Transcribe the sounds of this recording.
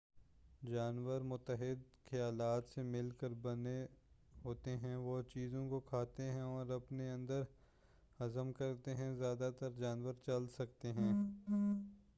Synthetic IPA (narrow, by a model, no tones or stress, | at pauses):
d͡ʒaːnʋəɾmʊt̪ːəɦɪd̪ | kʰɐjaːlaːt̪semɪlkəɾbɐne | ɦoːt̪eɦɛ̃ʋot͡ʃiːzõkokʰaːt̪eɦɛ̃ɔːɾɐpneɐ̃nd̪əɾ | hɐzəmkɐɾt̪eɦɛ̃zjaːd̪at̪əɾd͡ʒaːnʋəɾt͡ʃɐlsɐk̚t̪eɦɛ̃ː